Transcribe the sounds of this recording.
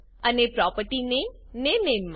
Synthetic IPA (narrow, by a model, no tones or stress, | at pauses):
ənepɾɔpəʈinenenenm